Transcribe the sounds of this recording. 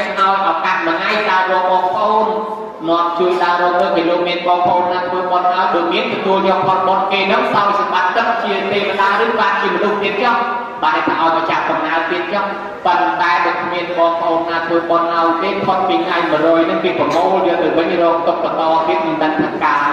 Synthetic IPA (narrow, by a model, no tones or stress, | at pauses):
ʔaɔjʔakat̪̚məŋajɗaəɓɔəŋɓɑːŋpʰʔoːn | mɔ̆əp̚t͡ɕuəjɗaəɾɔːt̪ɨk̚ɦaloːk̚miənkɑːpʰʔoːnːaːt̪ʰʋəːɓɑnʔaɔjɓomiənt̪ɔt̪uəljɔːk̚pʰot̪̚ɓonkeːnɨŋsaɔjsamɓat̪̚kɨk̚t͡ɕiət̪eːpəsaːɾɨːɓaːnt͡ɕiəmənuht̪iət̪̚t͡ɕɔh | ɓaajt̪ʰaʔaɔjpat͡ɕap̚sɑmnaːət̪iət̪̚t͡ɕɔh | patpɔnt̪aɛɓɔkʰmiənɓɑːŋpʰʔoːnːaːt̪ʰʋəːɓonʔaɔjk̪eːpʰot̪̚piːkʰʔajmərɔːjnɨŋʋiəprɑmoːlnɨəŋt̪ɨwʋɨɲrɔːk̚t̪op̚ːɑk̪ɑːt̪iət̪̚mɨənt̪əŋt̪ʰɨt̪̚kaːl